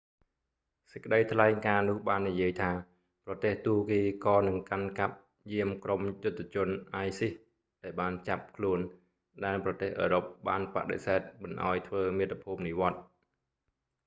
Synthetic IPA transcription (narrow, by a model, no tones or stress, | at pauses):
sə̥c̚kːəɗəjt̪ʰlaɛŋkaːnʊ̆əhɓaːnːijiəjt̪ʰaː | prɑt̪eːht̪uːkiːkɑːnɨŋkankap̚ | jiəmkromjʊt̪̚ʰːt͡ɕʊ̆ənʔaːjsih | ɗaɛlɓaːnt͡ɕap̚kʰluən | ɗaɛlprɑt̪eːhʔəːɾop̚ɓaːnpa̰ʔɗḛsɛɛt̪̚mɨnʔa̰ɔjt̪ʰʋəːmiət̪ːapʰuːp̚niʋŏət̪̚